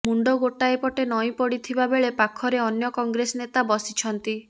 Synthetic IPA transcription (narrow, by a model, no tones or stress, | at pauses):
muɳɖoɡoʈaepɔʈenɔj̃pɔɽit̪ʰibabeɭepakʰɔɾeɔnjɔkɔŋɡɾesɔnet̪abɔsit͡ʃʰɔnt̪i